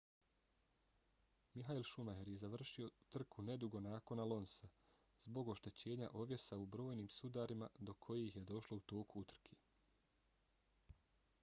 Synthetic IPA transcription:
miɦailˠʃumajeɾjezaʋr̩ʃio̞t̪r̩kʰune̞d̪uɡo̞naːko̞nalo̞nsa | zbo̞ɡo̞ʃt̪e̞t͡ɕe̞ːɲa̰ʔo̞ʋje̞saubɾo̞ːjniːmsud̪aɾimad̪o̞kʰo̞jeçjed̪o̞ʃlo̞ut̪o̞ːkuut̪r̩kʰe

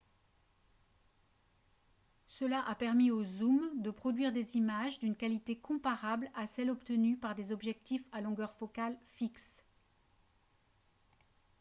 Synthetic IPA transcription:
səlaʔapɛʁmiozumd̪əpχɔd̪ɥiʁd̪ezimaʒd̪ynkalit̪ekɔ̃paʁablasɛlɔpt̪ənypaʁd̪ezɔbʒɛk̚t̪ifalɔ̃ɡœʁfɔkalfiks

